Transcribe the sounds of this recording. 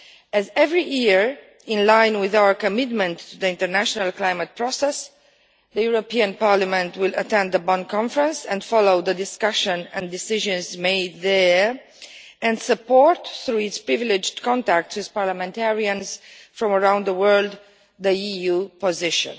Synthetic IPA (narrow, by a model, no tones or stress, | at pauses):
ɛzɛvɹijiɹ | ɪ̃nlãɪ̃nwɪðawəɹkɔmɪt̪mə̃ntːuðəɪ̃ntəɹnæʃɔnalklãjmət̪̚pɹɔsɛs | ðəjuɹopiãnpaɹlamɛ̃ntwɪlət̪ɛ̃nd̪ðəbɔ̃nkʰɔ̃ɱfɹə̃nsɛ̃ndfɔloʊðədɪskʌʃə̃nɛ̃ndɪsɪʒə̃nzmeɪd̪ðə | ɛ̃nsəpɔɹtθɾuɪtspɹɪvɪlɪd͡ʒdkɔ̃ntæk̚tswɪðpaɹlamɛ̃ntɛɹiə̃nsfɹɔ̃məɹãw̃nd̪ðəwɜ˞ld̪ | ðəijupɔzɪʃə̰̃n